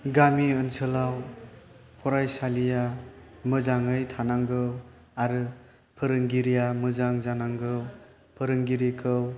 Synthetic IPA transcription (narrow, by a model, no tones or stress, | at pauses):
ɡamiɯnsɯlaw | pʰɔɾajsalija | mɯzaŋɯjtʰanaŋɡɯw | aɾɯ | pʰɯɾɯŋɡiɾijamɯzaŋzanaŋɡɯw | pʰɯɾɯŋɡiɾikʰɯw